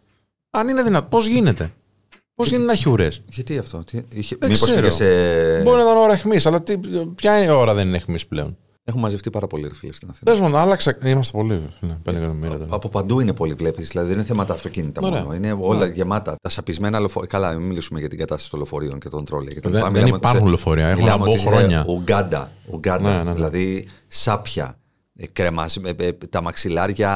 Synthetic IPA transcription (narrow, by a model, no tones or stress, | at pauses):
ɐnineðinɐt̪opo̞zʝinet̪e̞ | pozʝinet̪enɐçuɾesʝɐt̪iɐft̪o̞t̪iiçeemispoeɾeseboɾinɐt̪ɐno̞ɾɐexmisɐlɐt̪ipçɐo̞ɾɐðeninexmisple̞̰o̞̰n | e̞xummːɐzeft̪ipɐɾɐpo̞liɾifilest̪inɐθinezmonɐlɐkseimɐst̪epo̞liɾfnepend̪ekɐt̪omiɾɐt̪ɐpo̞pɐnd̪uinepo̞livlept̪izðilɐðiðenineθemɐt̪ɐːft̪o̞cinit̪ɐoeineo̞lɐʝemɐt̪ɐt̪ɐsɐpizme̞nɐlo̞fokɐlɐmilisumeʝɐt̪iɡɐt̪ɐst̪ɐsit̪olofo̞ɾio̞ŋcet̪o̞nt̪ɾo̞liɐ̰keɐt̪ɾɐmileɐnmot̪ɐɾxunlofoɾiɐexmillnɐmeooixɾoɲɐuɡɐd̪ɐ̰uɡɐdnɐðilɐði | sɐpçɐ̰ | kɾemɐst̪ɐmɐksilɐɾʝɐ